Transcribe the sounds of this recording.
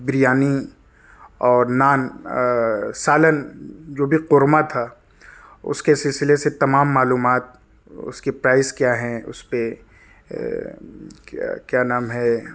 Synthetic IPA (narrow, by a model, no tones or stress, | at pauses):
bɾijaːni | ɔːɾnaːn | saːlənd͡ʒoːbʱiqʊɾmat̪ʰa | ʊ̰skesɪlsɪleset̪ɐmaːmːaːluːmaːt̪̚ | ʊ̰skepɾaːɪzkjaːɦɛ̃ʊ̰spe | kjaːnaːmɦɛː